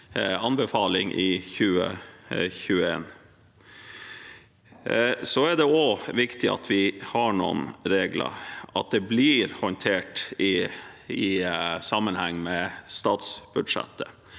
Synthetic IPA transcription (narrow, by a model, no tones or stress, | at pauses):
ɑnbɛfɑːlɪŋʔɪçʉːə̰çʉːəḛːn | sɔæɖɛɔʋɪkt̪ɪɑ̰t̪ʰʋɪhɑɳṵːnɾeːɡlə̰ɑt̪̚d̪ɛbliːɾhɔnt̪ʰeːʈɪ | ɪsɑmːənhæŋːmɛst̪ɑːt̪sb̥ʉd̪ʂɛ̰t̪ːə